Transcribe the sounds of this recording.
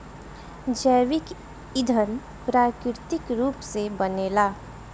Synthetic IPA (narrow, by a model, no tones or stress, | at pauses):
d͡ʒəjʋɪk | ɪd̪ʱən | pɾaːkɾɪɾɪt̪ɪkɾuːpsebəneːlaː